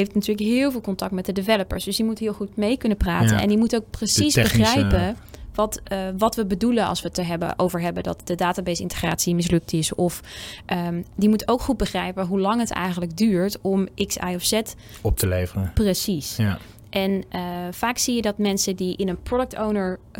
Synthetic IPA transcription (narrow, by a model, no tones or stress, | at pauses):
ejftnatyːləkɦɪːlˠvɪːlˠkɔntɑk̚tmɛt̚dədɪvɛləpə̰ɹsdɵsdimutɦɪːlˠχutmejkɵnəpra̰ːtə̰nɛ̰ndimutowk̚prəsisbəχrɛjpəʋɑtʋɑtʋəbədulənɑ̰lˠsʋətəɦɛbə̰ʔowvəɹɦɛbədɑ̰tdədaːtaːbejsɪ̰ntə̥χraːtsimɪs̬lɵk̚tɪsɔfʔədimutowkχud̚bəχrɛjpəɦulɑŋɦətɛ̰jχənləɡ̚dyːɹtɔmʔɪksa̰jɔfsɛt | ɔp̚tʰəlejvərəprəsis | ʔɛnəfaːksijədɑtmɛnsədiʔɪnənprɔdək̚townəɹ